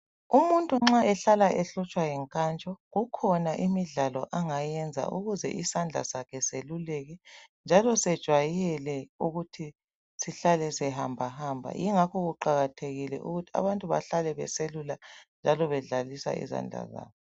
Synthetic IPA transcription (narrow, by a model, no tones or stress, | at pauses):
umuntʼuŋ͡ǁaɛɬalaʔɛɬɔt͡ʃʼwajɛŋkʼant͡ʃʼɔɣukʰɔnaʔimiɮalɔʔaŋajɛnd͡zʱa̰ʔuɣuzɛ̰ʔisand͡ɮʱa̰sakʰɛselulɛɣɛnd͡ʒʱalɔsɛd̥ʒ̥ʱwajɛlɛuɣutʰi | siɬalɛsɛɦambʱahaːmbʱa̰jiŋakʰɔɣuǃaɣatʰeɣilɛ̰ʔṵɣutʰi̥a̰βantʼuβa̰ɬalɛβɛ̰seluland͡ʒʱalɔβɛɮalisa̰ḭza̰nd͡ɮʱa̰za̰ːβɔ